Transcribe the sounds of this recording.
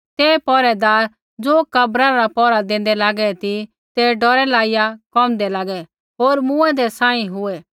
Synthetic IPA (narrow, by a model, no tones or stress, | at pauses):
t̪eːpɔːɾɛd̪aːɾ | d͡zoːkɐbɾaɾɾapɔɾad̪ẽːnd̪ɛlaːɡɛt̪i | t̪ɛɖɔɾɛlaːɪjakɔmd̪ɛlaːɡɛ | ɦoːɾmũɛ̃d̪ɛsãːĩɦʊɛ